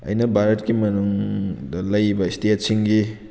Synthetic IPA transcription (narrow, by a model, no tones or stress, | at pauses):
ɐ̰jnɐbʱaɾɐtkimɐnuŋdɐlɐjbɐistiet̚siŋɡi